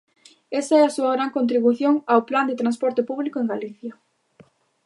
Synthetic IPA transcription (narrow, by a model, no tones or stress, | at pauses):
esɐɛasuɐɣɾaŋkõnt̪̬ɾiβuθjoŋawpland̪et̪ɾãnspɔɾt̪ɪpuβlikoeŋɡaliθjɐ